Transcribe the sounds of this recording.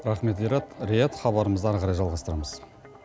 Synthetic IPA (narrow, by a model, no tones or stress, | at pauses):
ɾɑχme̞t̪ejɾɑt̪ɾejɑt̪χɑβɑɾəməzd̪əæɾʁɑɾɑjʒɑlˠʁɑst̪əɾɑməz̥